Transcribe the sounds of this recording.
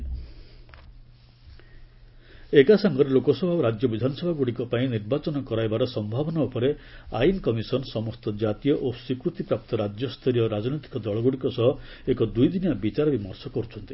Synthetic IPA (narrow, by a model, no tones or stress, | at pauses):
ekasaŋɡɔɾelokɔsɔbʱaɾad͡ʒjɔbid̪ʱanɔsɔbʱaɡuɽikɔpaĩniɾbat͡ʃɔnɔkɔɾajbaɾɔsɔmbʱabɔnaupɔɾeainkɔmisɔnsɔmɔst̪ɔd͡ʒat̪ijɔʔosikɾut̪ipɾap̚t̪ɔɾad͡ʒjɔst̪ʰɔɾijɔɾad͡ʒnojt̪i̥kɔd̪ɔɭɔɡuɽikɔsɔɦɔ | ekɔd̪ujd̪injabit͡ʃaɾɔbimɔɾsɔkɔɾut͡ʃʰɔnt̪i̥